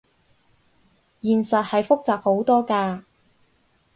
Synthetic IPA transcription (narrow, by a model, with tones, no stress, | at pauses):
jiː˨˩nsɐ˨t̚hɐ˨jfʊ˥k̚t͡saː˨p̚ho˨˥wt̪ɔː˥kaː˧